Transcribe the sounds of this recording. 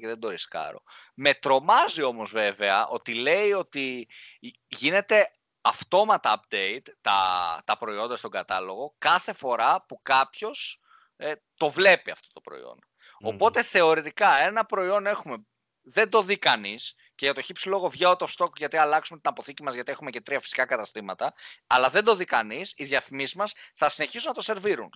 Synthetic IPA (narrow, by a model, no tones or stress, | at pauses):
eðe̞nd̪o̞ɾiskɐ̰ɾo̞̰ | me̞t̪ɾo̞mɐzio̞mo̞zve̞veɐʔo̞t̪ile̞io̞t̪i | ʝine̞t̪e̞ | ɐft̪o̞mɐt̪ɐːpd̪eit̪ːɐ̰t̪ɐpɾo̞io̞nd̪ɐst̪o̞ŋɡɐt̪ɐlo̞ɣo̞kɐθe̞fo̞ɾɐpukɐpço̞s | t̪o̞vle̞piɐ̰ft̪o̞t̪o̞pɾo̰ḭo̞̰n | o̞po̞t̪e̞θe̞o̞ɾit̪ikɐe̞nɐpɾo̞io̞ne̞xume̞ | ðe̞nd̪o̞ðikɐnis | ceʝɐt̪o̞çipsilo̞ɣo̞vʝɐot̪ofst̪o̞kʝɐt̪iɐlɐksume̞t̪inɐpo̞θicimɐzʝɐt̪ie̞xumece̞t̪ɾiɐfi̥si̥kɐkɐt̪ɐst̪imɐt̪ɐɐlɐðe̞nd̪o̞ðikɐnisiðjɐθimiszmɐsθɐsine̞çisunɐt̪o̞se̞ɾviɾun